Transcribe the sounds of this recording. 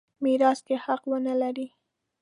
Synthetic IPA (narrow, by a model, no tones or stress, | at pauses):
miɾɑst̪ehaqwənəlaɾi